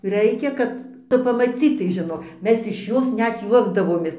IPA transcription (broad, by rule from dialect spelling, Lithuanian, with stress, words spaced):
ˈrɐɪkʲɛ kɐt ˈtʊ pɐmɐˈt͡sʲiːtɐɪ ʒʲɪˈnoːk ˈmʲɛs ɪʃ ˈjoːs ˈnʲɛt ˈjuɔɡdɐʋoːmʲeːs